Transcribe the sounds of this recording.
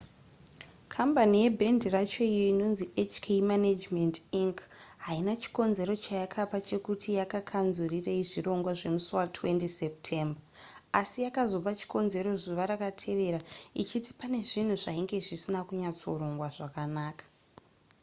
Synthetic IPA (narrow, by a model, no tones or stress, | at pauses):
kʰambanije̞bʱendirat͡ʃo̞ijoino̞nziet͡ʃkʰemanad͡ʒmendiŋkɦainat͡ʃi̥ko̞nze̞ɾo̞t͡ʃajakʰapat͡ʃe̞kutʰijakakʰanzurireiʐiro̞ŋɡwaʐe̞musuwatʰwe̞ntisep̚tʰe̞mba | asijakazo̞pat͡ʃi̥ko̞nze̞ɾo̞zuʋaɾakatʰe̞ʋe̞ɾait͡ʃiti̥pane̞ʐin̤uʐaiŋɡe̞ʐisinakuɲat͡so̞̰ɾo̞ŋɡwaʐakanaːkḁ